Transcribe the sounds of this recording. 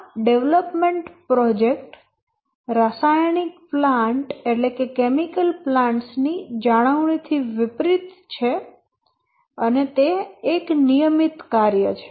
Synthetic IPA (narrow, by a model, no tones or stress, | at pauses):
ɖeʋləpmeɳʈpɾɔd͡ʒekʈ | ɾasajɳikplãɳʈeʈlekekemikəlplãɳʈsnid͡ʒaɽ̃əʋɳ̃it̪ʰiʋɪpɾit̪t͡ʃʰe | ənet̪eːknijəmit̪kaɾjət͡ʃʰe̥